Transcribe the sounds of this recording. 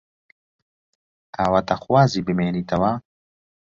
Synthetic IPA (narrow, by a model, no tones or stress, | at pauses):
t̪aːwat̪axwaːziːbɨmeːniːt̪ɐwaː